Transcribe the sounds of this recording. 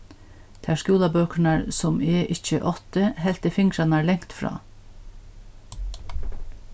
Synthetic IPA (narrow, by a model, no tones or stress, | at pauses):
t̪ʰæʂkuːlɑbøːkɳɑɹsɔmɛːʔɪc͡çəʔɔt̪əɦɛlt̪əfɪŋkɾɑnɑɹlɛŋt̪fɾɑ̰ː